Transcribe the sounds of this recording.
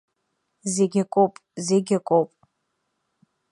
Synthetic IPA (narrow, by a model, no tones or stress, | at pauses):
zeɡʲakʼowpʼzeɡʲakʷʼowpʼ